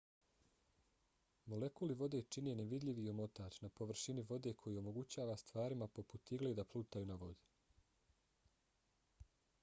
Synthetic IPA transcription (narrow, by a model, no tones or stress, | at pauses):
mo̞le̞kuliʋo̞d̪e̞t͡ʃineneʋid̪ʎʲiʋiomo̞t̪aːt͡ɕnapo̞ʋr̩ʃiniʋo̞d̪e̞kʰo̞jio̞mo̞ɡut͡ɕaːʋast̪ʋaːɾimapo̞put̪iɡled̪apluːt̪ajuːnaʋo̞d̪i